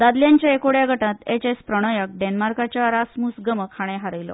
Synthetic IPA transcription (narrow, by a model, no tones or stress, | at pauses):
d̪ad̪ljaɲt͡ɕjaekoɽjaɡʱəʈãt̪et͡ɕespɾəɽ̃əjək̚ɖenmaɾkat͡ɕjaɾasmusɡəməkʰaɽ̃eɦaɾəjlɔ̰